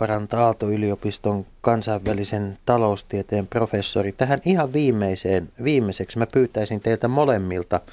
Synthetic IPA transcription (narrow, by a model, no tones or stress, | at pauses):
pɑrɑnt̪ɑɑlt̪oyliopist̪oŋkɑnsɑiʋʋælisent̪ɑloust̪iet̪eːmprofesːo̰rit̪æhænihɑʋʋiːmːeiseːnʋiːmːeseksmæpyːt̪æisint̪eilt̪æmolemːilt̪ɑ